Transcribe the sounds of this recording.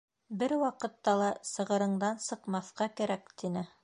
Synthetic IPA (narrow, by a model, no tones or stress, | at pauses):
bɘɾwɑqɤ̆t̪ːɑlˠɑsɤ̆ʁɤ̆ɾɤ̆ɴd̪ɑnsɤ̆qmɑθqɑkæɾækt̪inɘ